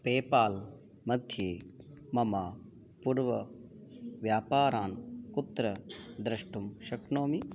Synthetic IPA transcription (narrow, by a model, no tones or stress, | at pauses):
peːpaːl | mɐd̪ʱjeːmɐmaː | puːɾʋɐ | ʋjaːpaːɾaːnkut̪ːɾɐd̪ɾɐʂʈumʃɐknoːmi